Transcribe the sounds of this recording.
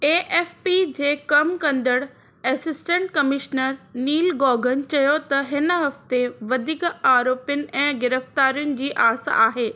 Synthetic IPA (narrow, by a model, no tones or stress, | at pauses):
eːʔeːfpid͡ʑeːkɐmkɐ̃nd̪əɽ | ɛːsɪsʈə̃ɳʈkɐmɪʃnəɾniːlɡɔːɡʱənt͡ɕɐjot̪ɐɦɪnɦɐft̪eʋɐd̪ʱikaːɾoːpjʊnɪ̆ʔɛ̃ːɡɪɾəft̪aːɾijʊnɪ̆d͡ʑiːʔaːsa̰aːɦeː